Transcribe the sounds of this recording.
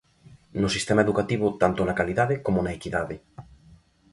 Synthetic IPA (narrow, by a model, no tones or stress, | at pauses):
nosist̪emaeðukat̪iβ̞ʊt̪ant̪onakaliðaðekomonaekiðaðɪ